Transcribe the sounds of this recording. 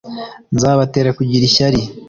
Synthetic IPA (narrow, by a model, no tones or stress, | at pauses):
nzaːβateːɾakuɟiɾiʃaɾi